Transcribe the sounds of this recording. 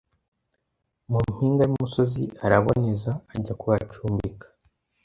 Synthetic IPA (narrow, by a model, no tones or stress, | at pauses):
mumhiːŋɡajuumuso̞zḭaɾaβo̞̰ne̞zaːɟakuβat͡ʃuːmbikʰḁ